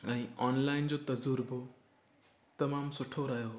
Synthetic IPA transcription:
ɐ̃ĩɔːnlaind͡ʑot̪ɐd͡zuɾbʱo | t̪ɐmaːmsʊʈʰoɾaɦjo

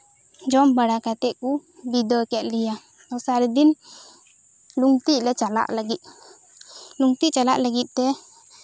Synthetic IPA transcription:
d͡ʒɔmbaɽakat̪ɛʔkubid̪ɔɛkɛt̪̚lija | ɔsaɾɛd̪in | luŋt̪iʔlɛt͡ʃala̰ʔləɡit̪̚ˀ | luŋt̪iʔt͡ʃalaʔlaɡit̪̚ˀt̪ɛ

